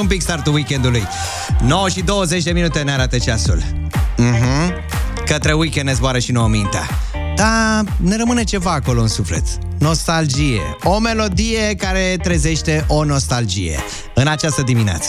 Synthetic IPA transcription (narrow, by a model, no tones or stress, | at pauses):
umpikst̪art̪uwikʲend̪uluj | no̞wəʃid̪o̞wəze̞t͡ʃʲd̪e̞minut̪e̞ɨneaɾat̪ət͡ʃasṵlm̩ɦm̩ | kət̪ɾe̞wikʲennezboaɾəʃinoəmint̪ea̰ | d̪̥ane̞ɾəmɨne̞t͡ʃe̞vaːko̞lo̞ɨnsufle̞̰t̪ | no̞st̪ald͡ʒijḛo̞me̞lo̞d̪ije̞kaɾe̞t̪ɾeze̞ʃt̪e̞ʔo̞no̞st̪ald͡ʒije̞̰ | ɨnat͡ʃast̪əd̪iminea̰t̪sə̥